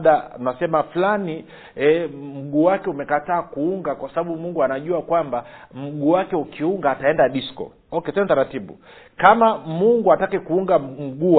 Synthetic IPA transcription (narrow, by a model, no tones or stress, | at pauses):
ɗaunasɛmaflani | ɛm̩ɡuːwakɛumɛkataːkuuŋɡakwasaɓaɓumuŋɡuanaʄuakwambam̩ɡuːwakɛukiuŋɡaːtaɛndaɗiskɔ̰ | ɔkɛsɛntaɾatiɓṵ | kamamuŋɡuatakikuuŋɡam̩ɡu